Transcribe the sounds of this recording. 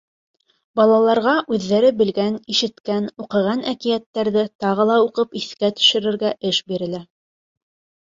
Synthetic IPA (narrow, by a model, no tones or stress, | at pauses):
bɑlˠɑlˠɑɾʁɑʔʉðːæɾɘbɘ̆lɡæniʃɘ̆t̪kænuqɤ̆ʁɑnækijæt̪ːæɾðɘt̪ɑʁɤ̆lˠɑuqɤpiθkæt̪ɵ̥̆ʃɘ̆ɾɘ̆ɾɡæʔɘʃbiɾɘ̆læ